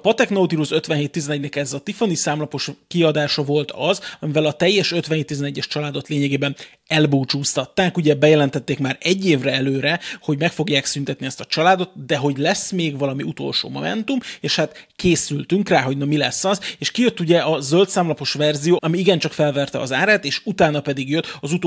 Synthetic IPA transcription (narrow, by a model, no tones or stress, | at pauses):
pɒt̪ɛknout̪iɾusø̞t̪ʋɛnɦeːt̪ːizɛnɛɟnɛkɛzɒt̪ifonisaːmlɒpo̞ʃkiɒd̪aːʃɒvo̞lt̪ɒzɒmivɛlɒt̪ɛjːɛʃøt̪ʋɛnheːt̪ːizɛnɛɟːɛʃt͡ʃɒlaːd̪o̞t̪leːɲɛɡeːbɛn | ɛlbuːt͡ʃuːst̪ɒt̪ːaːkuɟɛbɛjɛlɛnt̪ɛt̪ːeːkmaːɾɛɟːeːvrɛɛløːɾɛho̞ɟmɛkfo̞ɡjaːksynt̪ɛt̪niɛst̪ɒt͡ʃɒlaːd̪o̞t̪d̪ɛɦo̞ɟlɛsmeːɡvɒlɒmiut̪o̞̰lʃo̰ːmo̞̰mɛ̰nt̪umeːʃhat̪keːsylt̪yŋkraːɦo̞ɟnɒmilɛsːɒzeːʃkijø̞t̪ːuɟɛɒzølt̪saːmlɒpo̞ʃvɛrzijoːɒmiiɡɛnt͡ʃɒkfɛlvɛrt̪ɛ̰ɒ̰zaːɾaːt̪eːʃut̪aːnɒpɛd̪iɡjøt̪ːɒzut̪o